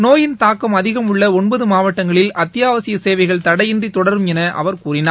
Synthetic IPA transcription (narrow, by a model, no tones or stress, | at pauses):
noːjɪnt̪aːkːɐmɐðɪɣɐmɯɭːɐɔnbɐðɯmaːʋɐʈːɐŋɡɐɭɪlʔɐt̪ːɪjaːʋɐsɪjɐseːʋɐɪɣɐɭt̪ɐɽɐjɪndrit̪ɔɽɐɾɯmɛnɐʔɐ̰ʋɐɾkuːrɪnaː